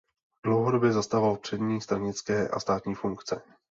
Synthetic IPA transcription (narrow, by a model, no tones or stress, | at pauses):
dlo̞wɦo̞do̞bjɛzast̪avalpr̝̥ɛdɲiːst̪ɾaɲɪt͡skɛːʔa̰st̪aːt̪ɲiːfuŋkt͡sɛ